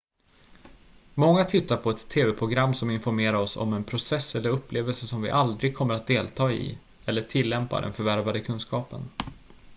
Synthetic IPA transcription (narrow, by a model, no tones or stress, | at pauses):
mɔŋːat̪ʰɪt̪ːaɾpʰɔɛt̪ʰːeːvɛpʰɾʊɡɾamːsɔmɪnfɔɾmeːɾaɾɔsɔ̰mɛnpʰɾʊsɛsːɛlːəɾɵpʰːleːvəlsəʂɔmvɪ̰ʔald̪ɾɪɡ̚kʰɔmːəɾat̪̚d̪eːlt̪ʰɑːɪ̰ | ɛlːəʈʰɪlːɛmpa̰ɖɛ̰nfœɾvæɾvad̪əkʰɵnskɑːpə̰n